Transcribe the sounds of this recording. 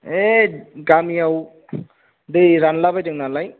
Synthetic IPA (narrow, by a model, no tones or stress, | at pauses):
eɡamijaw | dɯjɾanlabajdɯŋnalaj